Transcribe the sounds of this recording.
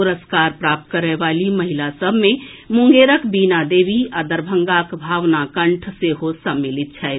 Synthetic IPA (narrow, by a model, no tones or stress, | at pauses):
uɾəskaɾpɾap̚t̪kəɾɛbaliməɦilasəbʱmemuŋɡeɾəkbinad̪ebiad̪əɾbʱəŋɡakbʱaʋnakəɳʈʰseɦosəmːilit̪̚t͡ʃʰɛɪt̪